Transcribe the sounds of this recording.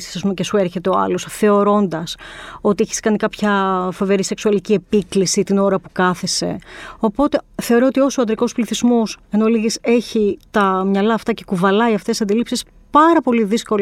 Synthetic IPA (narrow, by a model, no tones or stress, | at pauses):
si̥sɐs̬pumecesueɾçe̞t̪e̞oɐ̰lo̞sθe̞o̞ɾo̞nd̪ɐso̞t̪ieçi̥skɐnikɐpçɐfo̞ve̞ɾise̞ksuɐlicie̞piklisit̪ino̞ɾɐpukɐθe̞se̞̰o̞po̞t̪e̞θe̞o̞ɾoot̪io̞soɐnd̪ɾiko̞spliθizmose̞noliʝise̞çit̪ɐmɲɐlɐːft̪ɐce̞kuvɐlɐiɐft̪esɐnd̪ilipsis | pɐɾɐpo̞liðisko̞l